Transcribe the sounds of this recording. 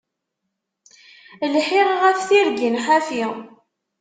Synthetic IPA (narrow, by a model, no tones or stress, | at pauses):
lħiʁʁæfθiɾɡinħafi